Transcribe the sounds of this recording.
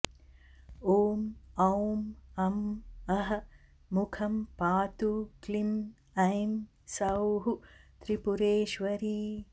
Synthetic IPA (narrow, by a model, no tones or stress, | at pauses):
oːmɐwmɐmɐɦɐ̆ | mukʰɐmpaːt̪uklim | ɐjm | sɐwɦut̪ɾipuɾeːʃʋɐɾiː